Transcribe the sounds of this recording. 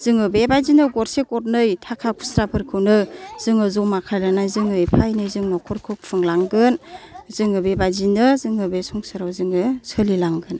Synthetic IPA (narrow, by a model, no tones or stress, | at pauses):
z̥ɯŋɯbebazinɯɡɔɾsekɔt̚nɯjtʰakʰakʰu̥sɾapʰɯɾkʰɯwnɯz̥ɯŋɯzɔmakʰajlanajzɯŋɯjpʰajnɯjzɯŋnɔkʰɔɾkʰɯk̚pʰɯŋlaŋɡɯnzɯŋɯbebazinɯzɯŋɯbesɔŋsɯɾawzɯŋɯsʰɯlilaŋɡɯn